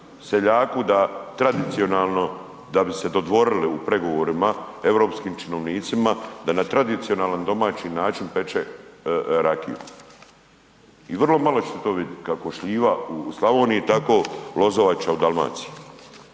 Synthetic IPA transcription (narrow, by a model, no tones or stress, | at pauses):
seʎaːkud̪at̪ɾad̪it̪sionaːlˠno | d̪abised̪ot̪ʋo̞ɾiliupɾe̞ɡo̞ʋoɾimaevɾo̞ːpskiːmt͡ʃinoʋniːt̪simad̪anat̪ɾad̪it̪sio̞naːland̪o̞maːt͡ʃinaːt͡ʃinpe̞t͡ʃe | ɾakḭjṵ | iʋrlˠo̞malo̞t͡ʃe̥t̪et̪o̞ːʋid̪kakoʃʎiːʋauslˠaʋo̞ːnijit̪ako̞ːlo̞zoʋat͡ʃaud̪alˠma̰ːt̪si̥i